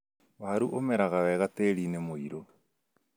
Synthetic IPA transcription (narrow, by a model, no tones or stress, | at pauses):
waːɾuʔomɛɾaɣawɛɣateɾinemoiɾo